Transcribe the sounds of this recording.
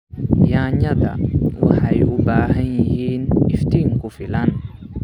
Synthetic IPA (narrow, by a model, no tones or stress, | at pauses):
jaːɲɐðɐ̰wɑ̰ħɑjʊbaːɦɐnjɪɦiːnʔɪft̪ʰiːmkʰʊfɪlɐn